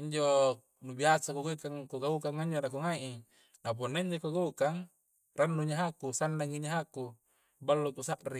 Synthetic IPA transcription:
iɲd͡ʒo | nubiasakuɡaukaŋkuɡaukaŋːaiɲd͡ʒonak̬uŋaʔi | nap̬unːaiɲd͡ʒokuɡaukaŋ | ranːuɲaɦakusandaŋiɲaɦaku | balːok̪usaʔri

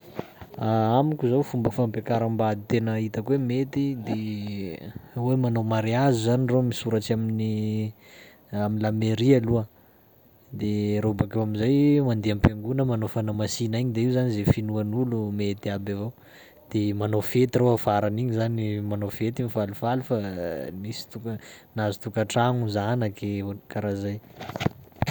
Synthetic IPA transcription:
aamikʲuzawfumbəfampakaɾambad̪it̪enəit̪əkwemet̪id̪e | wemanowmaɾeazuzaniromisuɾaʈ͡ʂiamini | aminlameɾialuə | d̪eɾobakewamizajmand̪eampaŋɡunəmanowfanamasinaiɲid̪eiuwzanizefinuanulumet̪iabavo | d̪̥emanofet̪iroafaɾaniɲizanimanofet̪imifalufalufamisi̥t̪ukənazu̥t̪ukaʈ͡ʂaŋuzanakekaɾazaj

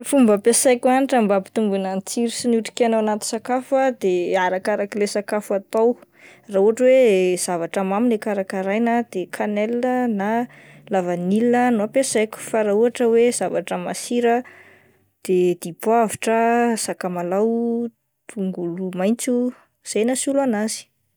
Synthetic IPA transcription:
fumbəpesajkaniʈ͡ʂəmbapi̥t̪umbunənt͡siɾisinuʈ͡ʂi̥kenaanat̪i̥sakafuad̪eaɾakaɾakilesakafuat̪aw | rauaʈ͡ʂəwez̥avaʈ͡ʂəmaminekaɾakaɾajnəd̪̥ekʰanelinəna | lavanilinənoapesajkʲu̥faɾauaʈ͡ʂəwez̥avaʈ͡ʂəmasiɾə | d̪̥ed̪̥ipwaviʈ͡ʂəsakamalaw | t̪ʰuŋɡulumajnt͡su | z̥ajnasulanazi̥

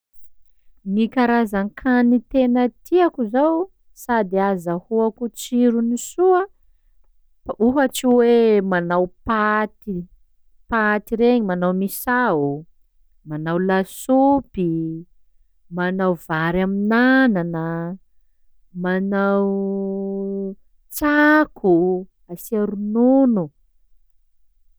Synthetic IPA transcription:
nikaɾazankʰanit̪enət̪ʰiakuzaw | sad̪iazahuakut͡siɾunisuə | uɦat͡siwemanawpat̪i | pat̪iɾeɲimanawmisau | manawlasupi | manawvaɾaminananə | manaw | t͡sakʰu | asaɾununu

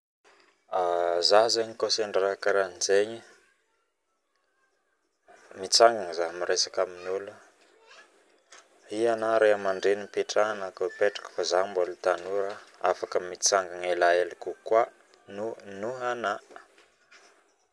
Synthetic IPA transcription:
azazeɲikoseɳɖ͡ʐakəɾanizeɲi | mit͡saŋɡaŋzaɦmiɾesakaminulu | ianaɾeɦamaɳɖ͡ʐenipeʈ͡ʂaanakopeʈ͡ʂḁkə̥fazambolt̪anuɾəafakəmit͡saŋɡaŋelaelikukwa | nunuɦana

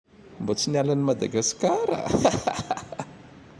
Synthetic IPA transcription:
mbot͡sinialanimad̪aɡaskaɾa̰

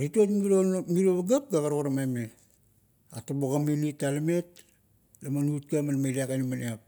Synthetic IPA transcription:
ɾitotmiomiɾoβaɡap̚ɡaɡaɾokoɾamajme | a̰taboɡaminitːalame̞t̚ | lamanut̚kamanmajliakanimaneap̚

